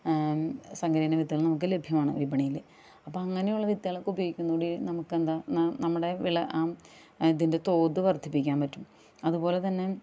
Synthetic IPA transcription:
sɐŋɡɐɾijnɐʋit̪ːilnɐmuk̬ːɨle̞bʱjɐmaːɳɨ̰ʋibɐɳijil | ɐpːoːɐŋːɐnejuɭːɐʋit̪ːiɐɭokːubɐjoːɡikʲːunːɐkuːɽinɐmukːend̪annɐmːuɽe̞ʋiɭɐʔaː | iðinde̞t̪o̞ːd̪ɨʋɐrt̪ʰːipːikʲːaːnpɐtːum | ɐðupo̞ːle̞t̪ɐnːe̞

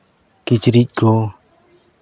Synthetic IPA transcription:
kit͡ʃɾic̚ɡ̥o

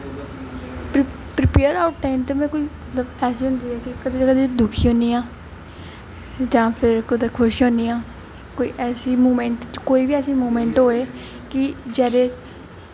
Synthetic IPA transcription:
pɾɪpeːəɾaːʊʈʈaɪmt̪ːmɛ̃ːkoiːmət̪ləbɛːsiːɦʊ̃nd̪iːɛːkɪkəd̪eːkəd̪eːd̪ʊkʰiːɦõːniːãː | d͡ʒãːpʰɪɾkʊd̪eːkʰʊʃõːniːãː | koːḭːʔɛːsiːmuːmɛ̃ːɳʈt͡ʃkoːiːbiːɛːsiːmoːmɛ̃ːɳʈɦoːeː | kɪd͡ʒɛːɾeː

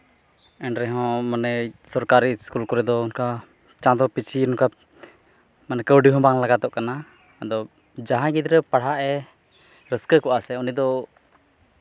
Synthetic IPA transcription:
ɛɳɾɛɦɔ̃manɛsɔɾkaɾiskulkɔɾɛd̪ɔunka | t͡ʃãd̪ɔpit͡ʃʰiunka | manɛkəwɖiɦɔ̃baŋlaɡat̪ɔʔkana | d̪ɔ | d͡ʒaɦãɡid̪ɾəpaɽ̤aʔɛ | ɾəskəkɔʔasɛunid̪ɔ

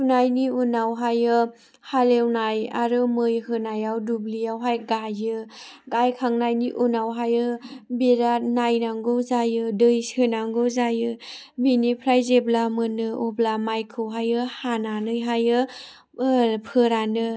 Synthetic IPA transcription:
unajniunawɦajɯ | halewnaja̰ɾɯmɯjhɯnajawdublijawɦajɡajɯ | ɡajkʰaŋnajniʔunawɦajɯbeɾanajnaŋɡozajɯdɯjshɯnaŋɡɯzajɯ | binipʰɾajzeblamɯnɯɔblamajkʰɯwɦajɯhananɯjɦajɯ | pʰɯɾanɯ

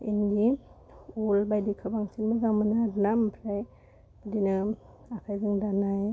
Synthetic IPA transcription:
ḭnɡi | ulbajdikʰɯbaŋsʰinmɯzaŋmɯnɯdnampʰɾaj | badinɯ | akʰajzɯŋdanaj

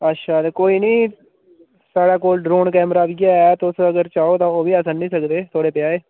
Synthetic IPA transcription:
ətːʃʰaːt̪eːkoːiːnĩː | saːɽaːkoːlɖɾoːnkɛːmɾaːbiɡaːɛːt̪ːʊsəɡəɾt͡ʃaːoːt̪ãːoːʋiːəsənnĩːsəkd̪eːt̪ʰoːɽeːpɪjaːeː

